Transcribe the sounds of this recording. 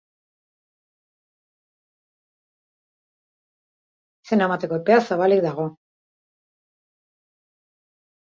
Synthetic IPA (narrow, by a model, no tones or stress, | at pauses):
senemat̪e̞ko̞epeasaβalik̚d̪aɣ̞o̞